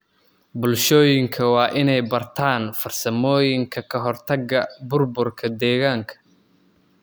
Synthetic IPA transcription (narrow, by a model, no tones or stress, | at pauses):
bʊlʃɔːjɪŋkʰɐwɑːʔɪnɛjbɐrt̪ʰaːnfɐrsɐmɔːjɪŋkʰɐkʰɐɦɔrt̪ʰɐɡɐbʊrbʊrkʰɐd̪ɛːɣaːŋkʰɐ̥